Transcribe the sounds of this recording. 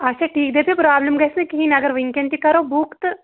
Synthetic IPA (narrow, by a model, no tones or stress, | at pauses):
ɐʃʰaʈʰiːk̚d̪eːpʰepɾaːbləmɡɐːsnekiɦinɐɡəɾʋiŋkẽɳɖt̪ikɐɾoːbukt̪